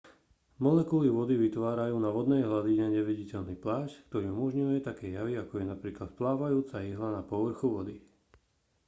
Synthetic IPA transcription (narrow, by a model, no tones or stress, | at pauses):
mɔlɛkuliʋɔd̪iʋit̪ʋaːɾajuːnaʋɔd̪nɛjɦlad̪iɲɛɲɛʋiɟicɛʎniplaːʃckt̪ɔɾiːumɔʒɲujɛt̪akɛjjaʋiakɔjɛnapɾiːklat̪̚plaːʋajuːt͡sajiɦlanapɔʋr̩xuʋɔd̪i